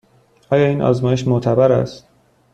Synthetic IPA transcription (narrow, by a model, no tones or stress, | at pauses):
ʔɒːjɒːiːnʔɒ̰ːzmɒːje̞ʃ̬mot̪ʰæbæɾæ̰st̪